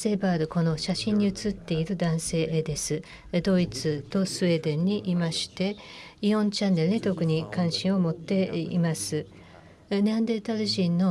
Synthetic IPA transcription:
se̞ːbaːɾɯ̟ko̞no̞ɕaɕĩɲ̟ːiɯt͡sɨt̪ːe̞iɾɯ̟d̪ãɰ̃se̞ːʔd̪e̞sɨ | d̪o̞it͡sɨt̪o̞sɨe̞ːd̪ẽ̞ɲ̟ːiʔimaɕi̥t̪e̞iõ̞ɲt͡ɕãnːe̞ɾɯ̟ɲ̟it̪o̞kɯ̟ɲ̟ikãɰ̃ɕĩɰ̃o̞mo̞t̪ːe̞ḭmasɨ | neãnd̪et̪aɾɯ̟ʑĩnːo̞

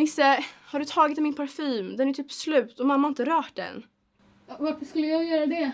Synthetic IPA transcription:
mɪsəhaɖɵt̪ʰɑːɡɪt̪mɪnpʰaɾfyːmd̪ɛnæʈ̪ʰyːpslʉ̟ːt̪ɔmamːahaɪnt̪əɾœːʈ̚d̪ɛ̰n | vaɾfəʂkɵlːəjɑːɡjœːɾad̪ɛ

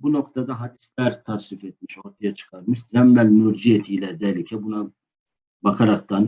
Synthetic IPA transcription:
bunoqt̪ʰad̪aɦad̪i̥slæɾt̪ʰasɾifɛt̪̚miʃo̞ɾt̪ʰajat͡ʃʰɯ̥qʰɑɾmɯʃzæmnælmuɾd͡ʒijɛt̪ʰiːlɛd̪ɛlicʰɛbuna | bɑqʰɑɾɑqt̪ɑn

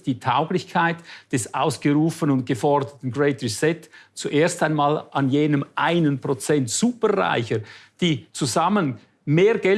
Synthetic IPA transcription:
d̥iːtʰaʊɡlɪçkʰaɪtd̥ɛsʔa̰ʊsɡ̥əʁuːfənʊnt̚ɡ̥əfɔʁdətn̩ɡɹɛɪtɹisɛtt͡suʔeːɐstaɪnmaːlʔanjeːnəmʔaɪnənpʁ̥ot͡sɛntsuːpəʁa̰ɪçəd̥iːt͡suzamən | meːɾɡɛ

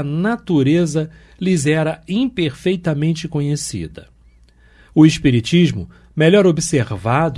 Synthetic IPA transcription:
ɐnat̪uɾezɐ | lizɛɾɐĩpeɾfejt̪ɐmẽnt͡ʃɪkõɲesḭd̪ɐ̰ | ʊɪʃpiɾit͡ʃiʒmʊ | melɔɾobiseɾvad̪ʊ

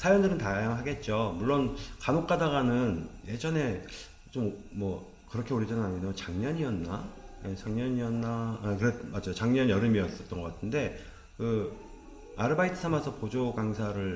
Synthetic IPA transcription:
sʰajʌndɯɾɯntajaŋɯɭɦaɡe̞t̚t͡ɕ͈omuɭːonkanok͈adaɣanɯnje̞d͡ʑʌne̞ | t͡ɕommwʌ | kɯɾʌkʰe̞oɾid͡ʑʌnɯnaɲinot͡ɕaŋɲʌɲiʌnːajet͡ɕaŋɲʌɲiʌnːakɯɾemad͡ʑajot͡ɕaŋɲʌnjʌɾɯmiʌs͈ʌt̚t͈ʌnɡʌk͈atʰɯnde̞ | kɯ | aɾɯbaitʰɯ̥sʰamasʰʌpod͡ʑoɡaŋsʰaɾɯɭ

